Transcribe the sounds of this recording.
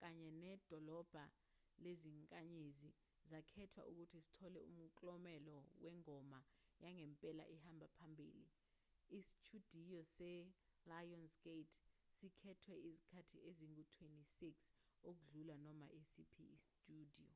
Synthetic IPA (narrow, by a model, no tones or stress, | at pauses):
k̬aɲɛnɛd̥ʱɔlɔb̥ʱa | leziŋkʼaɲezi | zakʰɛtʰwa̰ʔuk̬utʰisi̥tʰɔlɛṵm̩kʼlɔmɛlɔwɛŋɔmajaŋɛmpʼɛla̰ʔihambʱapʰambʱḭːlḭː | si̥t͡ʃʰud̥ʱijɔsɛ | lajɔnsɡ̥etʰsikʰɛtʰwɛʔizikʰatʰiʔeziŋutʰwentʼisiks | ok̬uɮulanɔma̰ʔesipʰiistʼuːd̥ʱijɔ